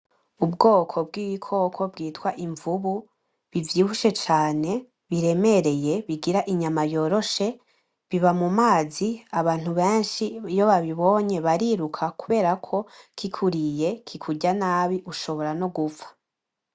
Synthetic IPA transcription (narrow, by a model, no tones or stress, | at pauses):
ubɡo̞ːkʰo̞b̚ɡiːβikʰo̞kʰo̞b̚ɡiːtwaʔiɱvuβu | βivjiːβuʃe̞t͡ʃaːne̞ | βiɾe̞me̞ɾe̞je̞βiɡiɾaʔiɲamajo̞ːɾo̞ʃe̞ | βiβamumaːziaβaːn̥huβe̞ːnʃijo̞βaβiβo̞ɲe̞βaɾiɾukʰakuβe̞ːɾakʰo̞kʰikʰuɾije̞kʰikʰuɟanaːβiʔuʃo̞βo̞ɾano̞ɡufḁ